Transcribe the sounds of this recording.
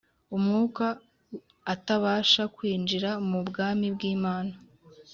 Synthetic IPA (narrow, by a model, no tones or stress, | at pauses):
umŋuːkaː | taβaːʃakwiːnd͡ʒiɾamubɡaːmibɡiːmaːna